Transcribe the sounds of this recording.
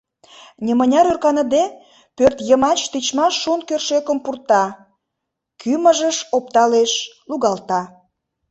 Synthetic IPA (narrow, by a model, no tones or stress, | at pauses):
nʲemənʲɑɾørkɑnə̆d̪e | pørt̪jəmɑt͡ɕt̪it͡ɕmɑʃːunkørʃøkə̆mpurt̪ɑ | kʰyməʒəʃop̚t̪ɑleʃ | luɣɑlt̪ɑ